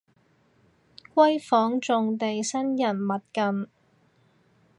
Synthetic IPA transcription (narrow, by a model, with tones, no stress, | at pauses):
kʷɐ˥jfɔː˨˥ŋt͡sʊ˨˧ŋt̪e˨jsɐ˥njɐ˨˩nmɐ˨t̚kɐ˨n